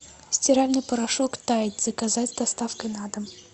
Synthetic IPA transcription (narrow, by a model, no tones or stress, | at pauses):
sʲtʲɪɾalʲnɨjpəɾɐʂokt̪ajɪtʲz̥əkɐzatʲd̪ɐst̪afkəjnad̪əm